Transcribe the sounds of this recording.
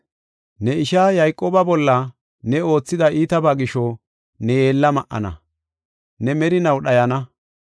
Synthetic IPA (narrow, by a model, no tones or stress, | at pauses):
nɛɪʃaːjɐjkʼːoːbɐbɔlːɐ | nɛo̞ːt͡sːɪd̪ɐʔiːt̪ɐbaːɡɪʃɔ | nɛjeːlːɐmɐʔːɐ̰nɐ̰ | nɛmɛɾɪnɐwɗɐjɐnɐ